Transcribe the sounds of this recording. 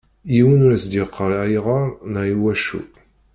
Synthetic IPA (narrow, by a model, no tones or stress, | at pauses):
jiwənuɾæsd̪iqʰːəɾæjʁɑɾˤnæiwæʃṵ